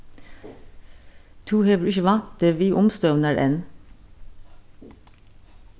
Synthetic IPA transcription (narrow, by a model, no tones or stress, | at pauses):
t̪ʰuːheːʋəɾʏçəʋɑnt̪əʋiːʔʊmst̪œʋnəɾʔḛːn